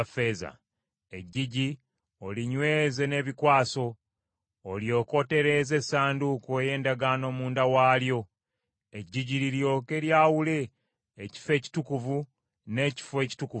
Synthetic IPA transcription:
fe̞ːza̰ | e̞ɟːiɟi | o̞liɲwe̞ːze̞ne̞ːβikwaːso̞ː | ljo̞ːko̞te̞ɾe̞ze̞saːndukoje̞ːndaɡaːno̞ːmuːndawaːljo̞ | e̞ɟːiɟiliɾjo̞ːke̞ljaːwule̞ː | ci̥fe̞ːci̥tukuvu | ne̞ːci̥fwe̞ːci̥tukuv

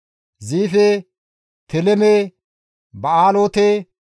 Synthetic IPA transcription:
ziːfe | t̪ʰɛlɛme | bɐaːloːt̪e

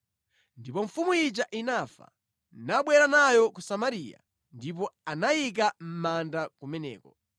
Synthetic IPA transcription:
ndipɔɱ̩fumuid͡ʒaʔinafa̰ | naɓwɛɾanajɔkusamaɾija̰ | ndip̬ɔanajik̬am̩mandakumɛnɛ̰ːkɔ

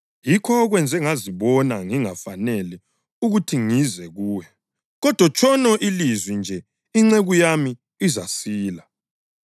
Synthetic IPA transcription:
jikʰɔːɣwɛnd͡zʱɛŋaziβɔnaŋiŋafanɛli | uɣutʰiŋizɛɣuːjɛ | ɣɔd̥ʱwat͡ʃʰʼɔnɔʔilizwind͡ʒʱɛ | iŋ͡ǀeɣujami | izasiːla

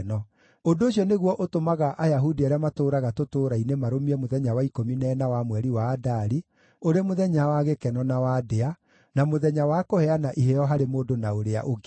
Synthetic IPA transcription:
nɔ | ondooɕiɔneɣwɔʔotomaɣaʔajaɦudiaɾeamatoːɾaɣatotoːɾainemaɾomiɛmoðɛɲawaikominɛːnawamwɛɾiwaːdaɾi | oɾemoðɛɲawaɣekɛnɔnawadea | namoðɛɲawakohɛanaʔiɦejɔɦaɾemoːndonaoɾea̰ʔoɡ

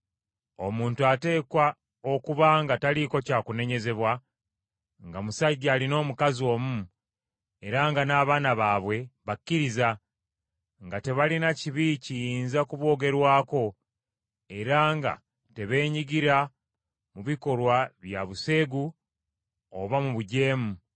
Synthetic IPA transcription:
o̞̰muːntuate̞ːkwa | o̞kuβaŋɡataliko̞caːkune̞ɲe̞ze̞βwa | ŋɡamusaɟaːlino̞ːmukazio̞ːmu | e̞ɾaŋɡanaːβaːnaβaːβwe̞βakːiɾiza | ŋɡate̞βalinaciβicijiːnzakuβwo̞ːɡe̞ɾwaːko̞ | e̞ɾaŋɡa̰ | te̞βe̞ːɲiɡiɾa | muβiko̞ɾwaβjaβuse̞ːɡu | o̰βamuβuɟe̞ːmu

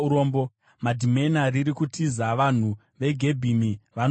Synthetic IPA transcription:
uɾoːmbo | madʱime̞nariɾikutizaʋan̤u | ʋe̞ɡʱe̞bʱimiʋan

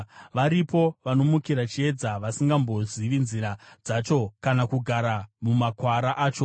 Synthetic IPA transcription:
ʋaɾipo̞ʋano̞mukiɾat͡ʃie̞d͡zaʋasiŋɡambo̞ziʋinziɾad͡zat͡ʃo̞kanakuɡʱaɾamumakwaɾaʔaːt͡ʃo̞

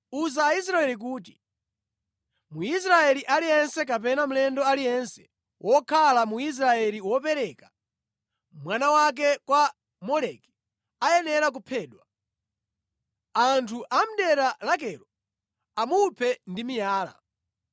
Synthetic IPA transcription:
uzaːis̬ɾaɛlik̬uːt̬i̥ | muis̬ɾaɛliʔalijɛnsɛk̬apɛnam̩lɛndɔalijɛnsɛ̥ | wʔɔkʰalamuis̬ɾaɛliwɔpɛɾɛkḁ | mwanawak̬ɛkwa | mɔlɛki̥ | ajɛnɛɾak̬upʰɛːɗwa | antʰuʔam̩ɗɛɾalak̬ɛɾɔ | amupʰɛndimijaːla̰

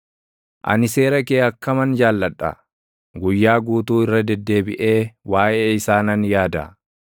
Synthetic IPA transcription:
ʔɐ̰nɪse̞ːɾɐkeːɐkːɐmɐnd͡ʒaːlːɐᶑːɐ̰ | ɡʊjːaːɡuːt̪uːɪrːɐd̪ɛd̪ːe̞ːbɪʔe̞ːwaːʔeːɪsaːnɐnjaːd̪ɐ̰

